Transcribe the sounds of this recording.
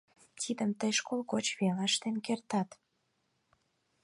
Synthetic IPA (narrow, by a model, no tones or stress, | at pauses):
t̪id̪əmt̪əjʃkolˠɣot͡ɕβelɑʃt̪enkert̪ɑt̪